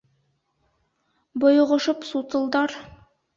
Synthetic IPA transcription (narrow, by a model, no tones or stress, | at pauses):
bŏj̆ʁŏʃɤpsut̪ɤ̆lˠd̪ɑɾ